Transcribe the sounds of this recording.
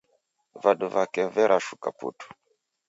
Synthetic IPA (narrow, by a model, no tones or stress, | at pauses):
vaduvakɛvɛɾʔaʃukapṵtu̥